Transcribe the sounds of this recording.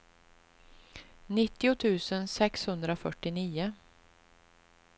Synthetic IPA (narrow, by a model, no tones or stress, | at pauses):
nɪt̪ːɪʊt̪ʰʉ̟ːsənsɛkshɵnd̪ɾafœʈːɪniːʊ